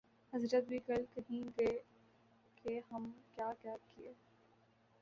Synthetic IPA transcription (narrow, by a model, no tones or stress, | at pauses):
hɐzɾət̪̚bʱiːɡɐlkɐɦĩɡɐe | kʰeɦɐmkjaːkjaːkieː